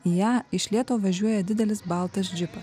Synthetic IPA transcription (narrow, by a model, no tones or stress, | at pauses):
ijæːɪʃʲlʲiɛt̪oːʋɐʒʲuɔjɛd̪ʲɪd̪ʲɛlʲɪsbɑˑlˠt̪ɐsd͡ʒʲɪpɐs